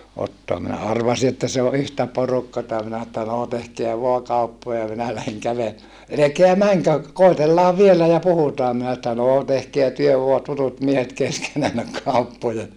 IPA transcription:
otːoɑ minæ ɑrʋɑsi etːæ se o ʔyhtæ porukːɑtɑ minæ etːæ noː tehkeæ ʋoɑ kɑupːojɑ minæ læheŋ kæʋele elekeæ mæŋkø koˑitelːɑːʋ ʋielæ jɑ puhutɑː minæ etːæ noː tehkeæ tyø ʋoɑ tutut miehet keskenænːøk kɑupːojɑ

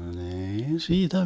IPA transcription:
niːn siːtæ

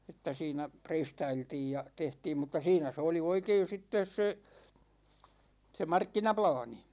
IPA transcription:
etːæ siːnæ preistɑiltiːj jɑ tehtiːm mutˑɑ siːnæ se oli oikein̞ sitːes se se mɑrkːinɑplɑːni

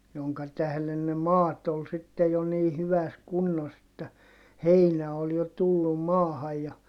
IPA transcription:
joŋkɑ tæhlen ne mɑːt ol sitːe jo niː hyʋæs kunːos etːæ heinæ ol jo tulːum mɑːhɑj jɑ

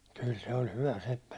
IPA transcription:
kyl se olʲ hyʋæ sepːæ

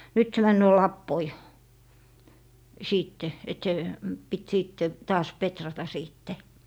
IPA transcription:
nyt se mænːøː lɑpːoi siːtːe et se pit siːtːe tɑːs petrɑtɑ siːtːe

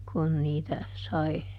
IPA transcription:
kun niːtæ sɑi

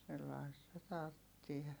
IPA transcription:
selːɑistɑ tɑrtːie

